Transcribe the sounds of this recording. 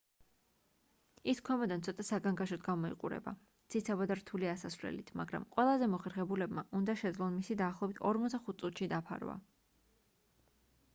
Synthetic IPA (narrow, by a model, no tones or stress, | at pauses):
iskʰɛmɔd̪ant̪sʰɔt̪ʼasaɡaŋɡaʃɔt̪ɡamɔḭqʼṵɾɛ̰ba̰ | t̪sʰit̪sʰabad̪aɾt̪ʰuliasasvɾlɛ̰lḭt̪ʰmaɡɾa̰mqʼwɛlˠazɛmɔχɛɾχɛbulɛbmaʔund̪aʃɛd̪zlˠɔnmisid̪aːχlˠɔbit̪ʰɔɾmɔt̪d̪aχut̪̚tsʼut̪ʰʃid̪apʰa̰ɾva̰